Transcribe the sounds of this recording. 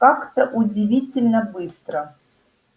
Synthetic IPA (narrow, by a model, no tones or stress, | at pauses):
kakt̪əʔudʲɪvʲitʲɪlʲnəbɨst̪ɾə